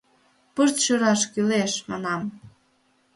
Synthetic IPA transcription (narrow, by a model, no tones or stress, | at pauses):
pərt̪ʃyɾɑʃkyleʃmɑ̰nɑm